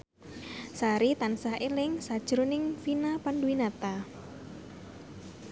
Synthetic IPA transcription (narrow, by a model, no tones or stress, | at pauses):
saɾit̪ansaelɪŋsad̥ʒ̥ɾunɪŋfinapanduinat̪a